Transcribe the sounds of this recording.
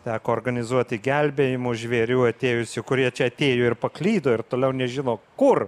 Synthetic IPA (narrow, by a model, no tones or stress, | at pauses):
t̪ʲæːkoːrɡɐnʲɪzuɔt̪ʲɪɡʲɛlʲbʲeːjɪmʊʒʲʋʲeːɾʲuːɐt̪ʲeːjʊsʲɪkʊɾʲiɛt͡ʃʲɛɐt̪ʲeːjoːɪɾpɐklʲiːd̪oːɪrt̪oːlʲɛʊnʲɛʒʲɪnoːkʊr